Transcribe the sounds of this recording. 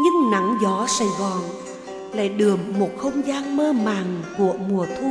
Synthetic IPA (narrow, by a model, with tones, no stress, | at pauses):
ɲɨ˧ŋna˨˦ŋzɔ˨˦sa˧˩jzɔ̰˨˩ŋ | la̰ː˧˩jɗɨ˨˩əmːo˨˩t̚xə˧wŋ͡mzaː˧nməː˧maː˨˩ŋku˧˩əmu˨˩ət̪ʰu˧